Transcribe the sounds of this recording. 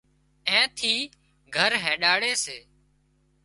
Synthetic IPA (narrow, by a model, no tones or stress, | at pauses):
ɛ̃ːt̪ʰiː | ɡʱəɾɦɛ̃ːɗaːɽeːseː